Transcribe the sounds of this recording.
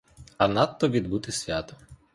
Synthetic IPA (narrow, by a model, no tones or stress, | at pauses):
ɐnɑt̪ːɔʋʲid̪but̪ɪsʲʋʲat̪ɔ